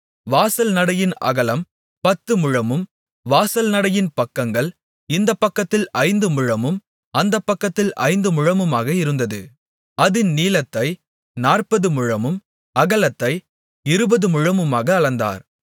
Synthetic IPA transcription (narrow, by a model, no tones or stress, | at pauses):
ʋaːsɐlnɐɽɐjɪnɐ̰ɣɐlɐm | pɐt̪ːɯmʊɻɐmɯm | ʋaːsɐlnɐɽɐjɪnpɐkːɐŋɡɐɭ | ɪnd̪ɐpːɐkːɐt̪ːɪlɐɪnd̪ɯmʊɻɐmɯm | ɐnd̪ɐpːɐkːɐt̪ːɪlʔɐ̰ɪnd̪ɯmʊɻɐmɯmaːɣɐɪɾɯnd̪ɐðɯ̰ | ɐðɪnniːlɐt̪ːɐɪ | naːrpɐðɯmʊɻɐmɯm | ɐɣɐlɐt̪ːɐɪ | ɪɾɯbɐðɯmʊɻɐmɯmaːɣɐːlɐnd̪a̰ːɾ